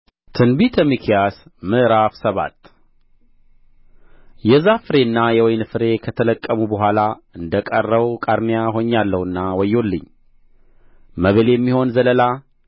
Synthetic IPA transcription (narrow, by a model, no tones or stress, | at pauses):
t̪ʰɨnbit̪ʰɛmikʰjasmɨʔɾafsəβa̰t̪ | jɛzafɨɾe̞nːajɛwɔjnfɨɾe̞kʰət̪ʰələkʼːəmubəɦʷalaɨnd̪əkʼərːəβkʼaɾmijaɦo̞ɲːalːəhɨnːawɔjːo̞lːɨɲː | məβəljɛmːiho̞nzələla